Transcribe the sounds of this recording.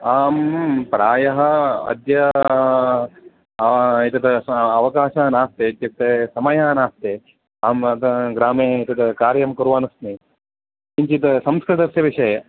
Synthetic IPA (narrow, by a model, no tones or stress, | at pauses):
aːmpɾaːjɐɦɐ̆ɐ̰d̪jɐ | it̪ɐt̪ɐɐʋɐkaːʃaːnaːst̪eːɐt̪jɐk̚t̪esɐmɐjaːnaːst̪eː | aːmɐt̪ɐɡɾaːmeːit̪ɐt̪ɐkaːɾjɐmkuɾʋaːnɐsni | iɲt͡ʃit̪ɐsɐmskɾɨt̪ɐsjɐʋiʃɐjɐ